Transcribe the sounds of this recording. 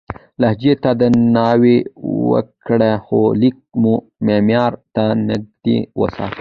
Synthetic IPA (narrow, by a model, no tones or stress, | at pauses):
lahd͡ʒet̪ad̪ənɑwewə̰kɽexolik̚mu | memjɑːɾt̪anəd̪ḭwə̰sɑ̰ːt̪